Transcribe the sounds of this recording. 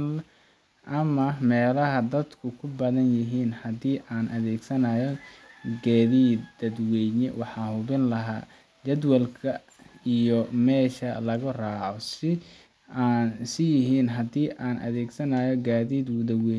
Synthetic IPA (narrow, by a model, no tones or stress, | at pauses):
ʔɐmɐmɛːlɐɦɐd̪ɐd̪kʰʊkʰʊbɐðɐnjɪɦiːnhɐd̪iːʔaːnʔɐðɛːɡsɐnaːjɔɡaːðiːd̪d̪ɐd̪wɛɲɛwɑħɑːhʊβɪnlɐɦaː | d͡ʒɐd̪wɐlkʰɐ | ijɔmɛːʃɐlɐɣʊraːʕɔsɪ | aːnsɪjɪɦiːnɦɐd̪iːʔaːnʔɐ̰ðɛːɡsɐnaːjɔɡaːðiːd̪wʊðɐwɛː